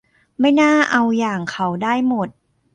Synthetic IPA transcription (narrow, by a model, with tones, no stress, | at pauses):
ma˥˩jnaː˥˩ʔa˧wjaː˨˩ŋkʰa˦˥wdaː˥˩jmo˨˩t̪̚